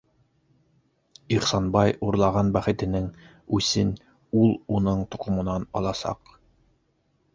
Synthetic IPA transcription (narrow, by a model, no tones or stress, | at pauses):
iχsɑnbɑjuɾlˠɑʁɑnbæχɘ̆t̪ɘ̆nɘŋ | ʉsɘn | ulˠunɤɴt̪ŏqŏmŏnɑnɑlˠɑsɑ̰q